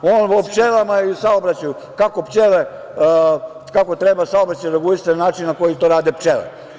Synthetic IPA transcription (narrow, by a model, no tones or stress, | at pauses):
oːnpopt͡ʃelamaisaobɾat͡ɕaju | kakopt͡ʃele | kako̞t̪ɾebasaobɾat͡ɕajɾeɡulist̪annaːt͡ʃinnːako̞jit̪oɾaːd̪ept͡ʃelḛ